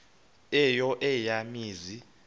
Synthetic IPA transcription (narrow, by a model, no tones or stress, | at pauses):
ɛjɔʔɛjamiːzi